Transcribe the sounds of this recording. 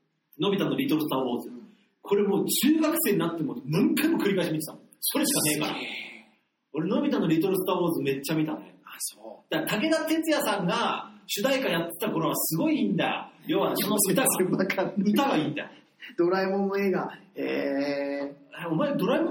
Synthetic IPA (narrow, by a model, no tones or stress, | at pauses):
no̞bʲit̪anːoɾʲit̪oɾɯsɨ̥t̪aːwoːzɨ | kʰo̞ɾe̞mo̞ːt͡ɕɨːɡakɯ̟̥se̞ːɲ̟inat̪ːemomãŋkʰaimokɯ̟ɾʲikaiɕimʲit̪e̥t̪amo | so̞ɾe̞ɕi̥kane̞ːka̰ɾa̰ | o̞ɾeno̞bʲit̪anːoɾʲit̪o̞ɾɯsɨ̥t̪aːwoːzɨme̞t͡ɕːamʲit̪anḛsod̪̥at̪ake̞d̪at̪e̞t͡sɨjasãŋɡaɕɨd̪aikajat̪ːe̥t̪ako̞ɾo̞asɨɡo̞iĩnd̪a̰jo̰joβasonɯt̪aɡkaɯt̪aɡaiːnd̪a̰jo̰ | d̪̥o̞ɾaimõnːoe̞ːɡae | aomaed̪o̞ɾaim